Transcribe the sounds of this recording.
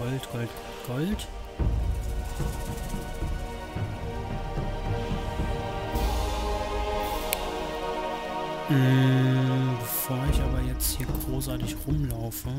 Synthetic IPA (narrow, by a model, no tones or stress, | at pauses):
ɔltɡ̥ɔlt | ɡ̥ɔlt | bəfoːɐɪçʔaːbɐjɛt͡sthiːɐɡʁoːsʔaɐtɪçʁʊmlaʊfə